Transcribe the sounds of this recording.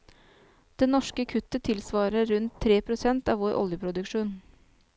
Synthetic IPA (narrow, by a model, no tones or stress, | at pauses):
d̪̥ɛnɔʂkəkʰʉt̪ət̪ʰɪlsʋɑːɾəɾʉnt̪ʰːɾeːpʰɾʊsɛnt̪ɑːʋoːɾʔɔ̰ljəpʰɾʊd̪ʉkʃuːn